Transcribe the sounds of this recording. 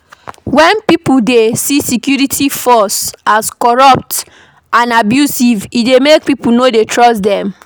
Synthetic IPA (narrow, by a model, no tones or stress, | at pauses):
wɛ̃npipuldesisikjuɹitʰifɔsaskɔɹɔp̚t | ãnabjusividemek̚pipunodetʰɹɔsdɛ̃m